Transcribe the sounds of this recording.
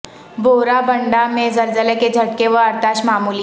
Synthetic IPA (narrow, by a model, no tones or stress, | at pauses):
bʱoːɾabʱɐɳɖamẽzɐɾzəleked͡ʒʱɐʈkeʋəɐɾt̪aːʃmaːmuːli